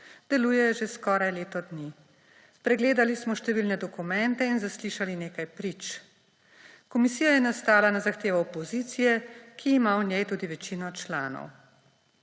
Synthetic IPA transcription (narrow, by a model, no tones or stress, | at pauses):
d̪̥ɛluːjɛʒeskɔːɾajleːt̪ɔd̪ni | pɾɛɡleːd̪alismɔʃt̪ɛʋilnɛd̪ɔkumɛnt̪ɛinzasliʃalineːkajpɾit͡ʃ | kɔmisiːjajɛnast̪aːlanazaxt̪eːʋɔɔpɔzit̪sijɛkʰiːmawnʲjɛjt̪uːd̪iʋɛt͡ʃiːnɔt͡ʃla̰ːnɔ̰w